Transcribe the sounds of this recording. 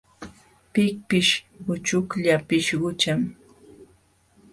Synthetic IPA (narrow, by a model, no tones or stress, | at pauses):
pɪk̚pɪʃ | ɢʊt͡ʃʊkʎapɪʃɢʊt͡ʃam